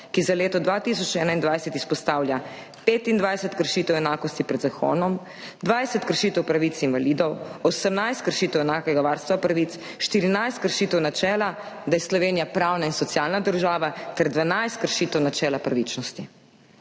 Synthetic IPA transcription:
kizaleːt̪ɔd̪ʋat̪is̬ɔt͡ʃɛːnaind̪ʋajsɛt̪ispɔst̪aːwlja | peːt̪ind̪ʋajsɛt̪kəɾʃiːt̪ɛwɛnaːkɔst̪ipɾɛd̪zaxo̰ːnɔm | d̪ʋajsɛt̪kəɾʃiːt̪ɛwpɾaʋit̪sinʋaliːd̪ɔwɔsəmnajst̪̚kəɾʃiːt̪ɛwɛnaːkɛɡaʋaːɾst̪ʋapɾaʋit̪s | ʃt̪iɾinajst̪kəɾʃiːt̪ɛwnat͡ʃɛːla | d̪ajɛslɔʋeːnijapɾawnainsɔt̪sjaːlnad̪əɾʒaːʋat̪ɛɾd̪ʋanajst̪̚kəɾʃiːt̪ɛwnat͡ʃɛːlapɾaʋit͡ʃnɔst̪i

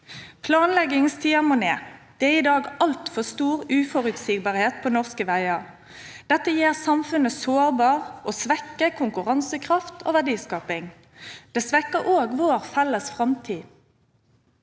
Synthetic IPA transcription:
pʰlɑːnlɛɡɪŋst̪ʰiːɑmʊneːd̪̥ɛːɛiːd̪ɑːɡɑlt̪fɔst̪uːʁʉːfɔʁʉt̪siːɡbɑːʁheːt̪̚pʰoːnɔʁskəʋæɪəʁ | d̪̥ɛt̪ːəjeːʁsɑmfʉnəsoːʁbɑːʁʔoːsʋɛkːəkʰʊŋkʉʁɑnsəkʰʁɑft̪ʰo̰ːʋæʁdiːskɑːpɪŋ | d̪̥ɛːsʋɛkːəʔoːɡʋoːʁfɛlːəsfʁɑmt̪ʰiː

